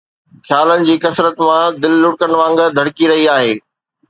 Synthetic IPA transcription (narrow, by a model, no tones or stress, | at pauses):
xʰjaːlənɪ̆d͡ʑiːkɐsɾət̪mãd̪ɪlːʊɽkəñʋãːŋɡd̪ʱɐɽkiɾɐɦiaːɦeː